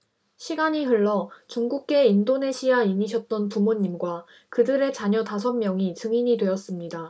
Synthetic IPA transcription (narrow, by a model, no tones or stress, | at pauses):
ɕʰiɡaɲiɦɯɭːʌt͡ɕuŋɡuk̚k͈e̞indone̞ɕʰiaimiɕʰʌt̚t͈ʌnpumoɲːimɡwa | kɯdɯɾe̞t͡ɕaɲʌtasʰʌmmjʌŋit͡ɕɯŋiɲidwe̞ʌs͈ɯmɲida